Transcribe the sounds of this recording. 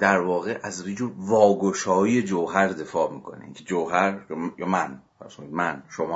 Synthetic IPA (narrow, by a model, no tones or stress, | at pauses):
d̪̥æɾvɒːɣeʔæzrid͡ʒovɒːɡoʃɒːiːe̞d͡ʒowɦæɾd̪e̞fɒːmiːkʰo̞̰nḭcʰed͡ʒowɦæɾjjɒːmænfæ̰ɾskonid̪mænʃomɒː